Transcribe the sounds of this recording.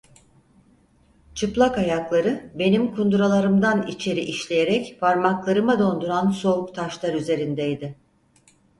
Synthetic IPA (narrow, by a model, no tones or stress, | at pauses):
t͡ʃʰɯplˠakajaklˠaɾɯbe̞nimkʰund̪uɾalˠaɾɯmd̪anit͡ʃʰe̞ɾiʔiʃlʲe̞jeɾɛcfaɾmaklˠaɾɯmɯd̪o̞nd̪uɾanso̞ukt̪ʰaʃlˠaɾyze̞ɾind̪ɛjd̪ɪ